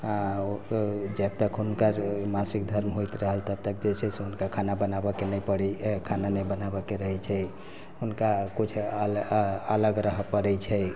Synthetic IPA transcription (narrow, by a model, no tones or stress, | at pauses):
ã | d͡ʒəb̚t̪əkɦunkəɾmasikd̪ʱəɾmɦojt̪ɾəɦəlt̪əb̚t̪əkd͡ʒet͡ʃʰɛseɦunkakʰanabənabɔkenəjpəɽikʰananəjbənabɔkeɾəɦɛt͡ʃʰɛ | hunkakit͡ʃʰ | ələɡɾəɦəpəɽɛt͡ʃʰɛ